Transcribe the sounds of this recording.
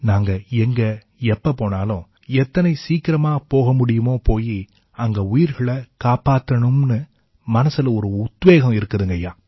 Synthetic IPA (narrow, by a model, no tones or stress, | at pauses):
naːŋɡɐɛŋɡɐ | ɛpːɐpoːnaːlʊ̃ | ɛt̪ːɐnɐɪsiːkɪɾɐmaːpoːɣɐmʊɽɪjɯmoːpoːji | ɐŋɡɐʊjɪɾɣɐɭɐkaːpaːt̪ːɐɳɯmnɯ | mɐnɐsɯlɐɔɾɯʊt̪ʋeːɣɐ̃ɪɾɯkːɐðɯŋɡɐjaː